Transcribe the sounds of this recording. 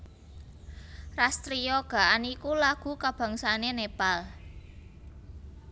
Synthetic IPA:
rast̪ɾiɔɡ̥a̤ʔanikulaɡ̥ṳkab̥a̤ŋsanenepal

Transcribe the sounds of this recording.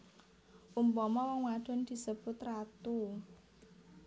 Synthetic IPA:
ʔumpɔmɔwɔŋwaɖ̥ʊ̤nd̪̥i̤səb̥ʊt̪rat̪u

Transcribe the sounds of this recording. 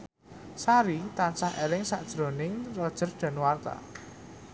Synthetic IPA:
saɾit̪ansahʔelɪŋsaʔd̥ʒ̥ɾo̤nɪŋrɔd̥ʒ̥ə̤rɖ̪̥ä̤nwart̪a̰

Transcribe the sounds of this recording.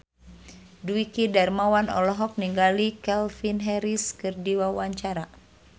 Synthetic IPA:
duikidarmawanɔ̰lɔɦɔk̚niŋɡalikɛlfinɦɛɾiskɨrdiwawaɲt͡ʃaɾa

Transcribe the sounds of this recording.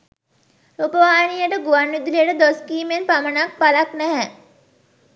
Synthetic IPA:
opəʋaːjnijəʈəɡuʋanːud̪ilijəʈəd̪oskiːmenpamənak̚palaknæɦæ

